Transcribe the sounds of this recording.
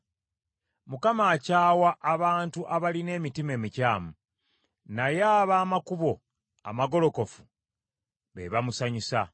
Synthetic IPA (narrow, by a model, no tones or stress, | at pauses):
mukamaːcaːwaʔːβaːntuʔaβaline̞ːmitime̞ːmicaːmu | najaːβaːmakuβo̞ | a̰maɡo̞lo̞ko̞fu̥ | βḛβamusaɲusa